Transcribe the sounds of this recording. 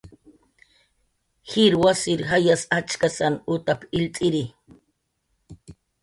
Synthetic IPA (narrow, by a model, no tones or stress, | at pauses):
hiɾwasiɾɦajasat͡ʃkasanʊt̪apɪlt͡sʼiɾi